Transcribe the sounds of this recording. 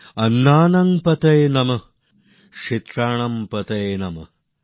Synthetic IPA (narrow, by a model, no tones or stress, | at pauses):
ɐnːaːnɐŋpɐt̪ɐjnɐmɐ | ʂit̪ɾaːɳɐmpɐt̪ɐjnɐmɐ̰